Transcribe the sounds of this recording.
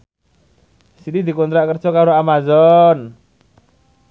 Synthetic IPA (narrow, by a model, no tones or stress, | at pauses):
sidid̪i̤kɔnt̪ɾaʔkərd̥ʒ̥ɔkaɾoamazɔn